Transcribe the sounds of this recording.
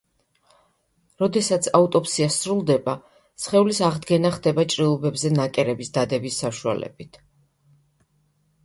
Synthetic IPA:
ɾɔd̪ɛsat̪sʰaut̪ʼɔpsiasɾulˠd̪ɛba | sχɛulisaʁd̪ɡɛnaχd̪ɛbat͡ʃʼɾilˠɔbɛbzɛnakʼɛɾɛbisd̪ad̪ɛbisːaʃua̰lɛ̰bit̪ʰ

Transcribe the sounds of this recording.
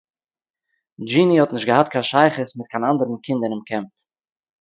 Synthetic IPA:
d͡ʒiːnihɔtnɪʃtɡəhatkʰanʃaɪχəsmɪt̚kʰanandəɾən̩kʰɪndənɪmkʰɛmp

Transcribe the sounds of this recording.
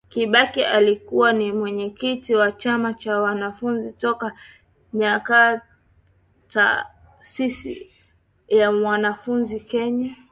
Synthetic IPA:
kiɓakiʔalikuwanimwɛɲɛkitiwat͡ʃamat͡ʃawanafunzitɔka | ɲaka | ta̰ | sisḭ | jamwanafunzikɛɲa

